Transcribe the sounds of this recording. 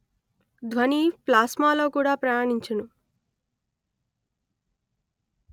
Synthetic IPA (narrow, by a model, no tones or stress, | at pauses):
d̪ʱʋɐniːplaːsmaːlo̞ːkuːɽaːpɾɐjaːɳiɲt͡ʃɐnu